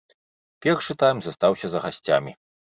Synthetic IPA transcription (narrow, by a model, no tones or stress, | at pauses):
pʲɛrʂɨt̪ajmʲzɐst̪awsʲɐzɐɣasʲt͡sʲa̰mʲi